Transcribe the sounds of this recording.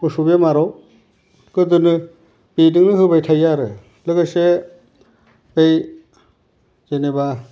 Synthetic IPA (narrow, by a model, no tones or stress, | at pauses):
kɯsubemaɾɔw | kɯd̪ɯnɯ | benɯŋnɯɦɯbajtʰajaɾɯ | lɯɡɯse | bej | zeneba